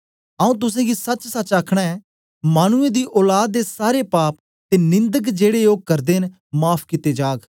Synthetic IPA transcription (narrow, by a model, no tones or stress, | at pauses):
əũt̪̬ʊsẽːɡisət͡ʃsət͡ʃaːkʰɽ̃aɛː | maːñʊẽːd̪iːʔɔːlaːd̪̚ːeːsaːɾeːpaːp̚ | t̪eːnɪ̃nd̪əkd͡ʒeːɽejoːɡ̚kəɾd̪eːn | maːpʰkɪt̪eːd͡ʒaːɡ